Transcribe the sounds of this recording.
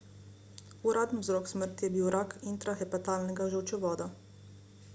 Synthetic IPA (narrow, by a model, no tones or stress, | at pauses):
uɾʔaːd̪nizɾɔːksməɾt̪ijɛbiwɾakʰint̪ɾaxɛpat̪aːlnɛɡaʒəwt͡ʃɛʋɔːd̪a